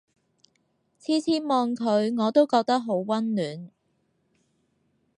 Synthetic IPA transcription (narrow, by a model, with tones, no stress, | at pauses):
t͡sʰiː˥t͡sʰiː˥mɔː˧ŋkʰɵ˨˧ɥŋɔː˨˧t̪o˥wkɔː˧k̚t̪ɐ˥k̚ɦo˨˥wwɐ˥nlyː˨˥n